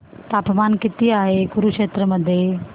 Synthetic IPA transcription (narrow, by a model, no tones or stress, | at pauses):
t̪apmankɪt̪iaɦeɡuɾukʂeːt̪ɾəməd̪ʱːje